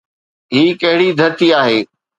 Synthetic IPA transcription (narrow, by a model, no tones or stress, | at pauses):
ɦiːkɐɦɪɽid̪ʱɐɾt̪iaːɦeː